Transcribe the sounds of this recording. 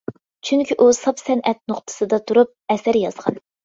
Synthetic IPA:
t͡ʃʰyŋkʲʰiʔusɑpsɛnʔɛt̪̚nʊχt̪ʰɨ̥sɨd̪ɑt̪ʰuɾup̚ɛsæɾjɑz̥ʁɑ̰n

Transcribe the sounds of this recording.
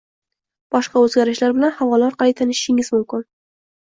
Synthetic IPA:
b̥ɒʃqɑɵzɡʲaɾɪʃlaɾbɪlanhavɒlaɾqʰɑlˠɪjt̪ʰanɪʃɪʃɪŋɪzmʊmkʲɪn

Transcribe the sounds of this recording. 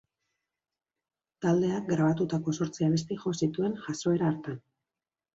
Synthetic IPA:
t̪ald̪e̞aɡɾaβ̞at̪ut̪ako̞so̞ɾt͡siaβe̞st̪iʝo̞sit̪ue̞nʝaso̞e̞ɾaːɾt̪an

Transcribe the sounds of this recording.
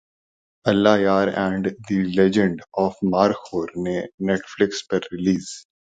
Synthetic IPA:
ɐlːaːjaːɾɛ̃ːɳɖd̪ilɛd͡ʒə̃ɳɖɔːfmaːɾxʰoːɾnenɛːʈflɪkspɐɾːɪliːz̥

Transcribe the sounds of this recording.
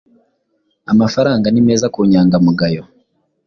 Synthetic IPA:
amafaɾaːŋɡanime̞ːzakuːɲaːŋɡamuɡajo

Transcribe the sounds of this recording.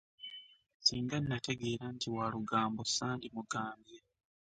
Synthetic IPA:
siːŋɡannːate̞ɡe̞ːɾantiwaluɡaːmbosaːndimuɡaːmbje

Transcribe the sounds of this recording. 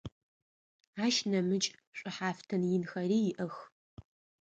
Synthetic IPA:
aːʃnɐmɨt͡ʃʼɕʷʼɨħaːftʰɐnjɪnxɐriːjɪʔɐx

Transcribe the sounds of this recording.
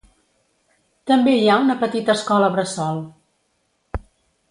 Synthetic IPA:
t̪əmbeiaunəpət̪it̪əskɔləβɾəsɔlˠ

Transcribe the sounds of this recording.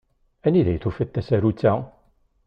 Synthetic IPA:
æniðæ̰jθufət̪ːæsæɾut͡sːæ

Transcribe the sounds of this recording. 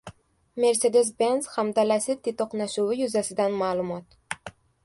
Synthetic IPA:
me̞ɾsed̪es̬benzhamd̪alasɪt̪ʰːit̪oqnaʃuwɪjʊzasɪd̪anmaːlˠʊmɒt̪

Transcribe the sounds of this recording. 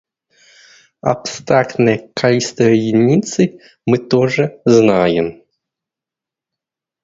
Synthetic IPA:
ɐ̰pst̪ɾakt̪nɐjkʰalʲist̪əjɪnʲit̪sɨ | mɨt̪ɔʐɛznajɛm

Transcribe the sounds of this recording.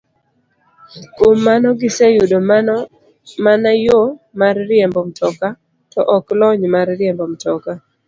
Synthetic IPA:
komːanɔɡɪsɛjudo | manajomarːɪɛmbɔmtɔka | tɔʔɔklɔɲmarːɪjɛmbɔmtɔka

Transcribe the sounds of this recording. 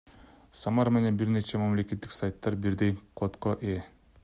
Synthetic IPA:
samɑɾme̞ne̞nbiɾne̞t͡ʃemamle̞kʲe̞t̪ːi̥ksajt̪ːɑɾbiɾd̪ejqʰot̪qoʔe

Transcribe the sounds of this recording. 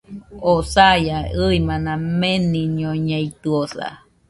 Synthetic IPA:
osajaɨimãnãmenĩɲõɲẽit̪ɯosa̰

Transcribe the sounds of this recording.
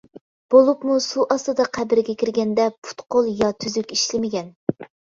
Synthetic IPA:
b̥olˠupmusuʔɑst̪ɨd̪ɑqʰæbɪɾɪɡʲɛkʲʰiɾɡʲɛnd̪ɛpʰu̥t̪qolˠjɑt̪ʰyzykʲiʃlɪmɪɡʲɛn

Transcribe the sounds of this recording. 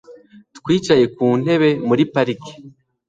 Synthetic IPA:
tkwiːt͡ʃaje̞kuːn̥e̞βe̞muɾipaɾiki̥

